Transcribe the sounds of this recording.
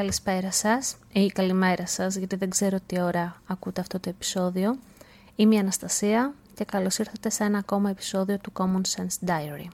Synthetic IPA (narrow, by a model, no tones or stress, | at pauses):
kɐlispe̞ɾɐsɐs | ikɐlime̞ɾɐsɐzʝɐt̪iðe̞ɡze̞ɾot̪io̞ɾɐːkut̪e̞ɐft̪o̞t̪o̞epi̥so̞ðio̞ | imɐːnɐst̪ɐsiɐ | ce̞kɐlo̞siɾθɐt̪esee̞nɐːko̞mɐe̞pi̥so̞ðio̞t̪uko̞monsensd̪ɐjɐɾḭ